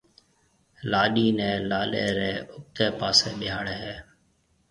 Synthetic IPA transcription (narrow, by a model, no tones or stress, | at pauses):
laːɗiːnɛ̃ːlaːlḛːɾeːʊk̚t̪eːpaːseːɓɪjaːɽeːɦɛː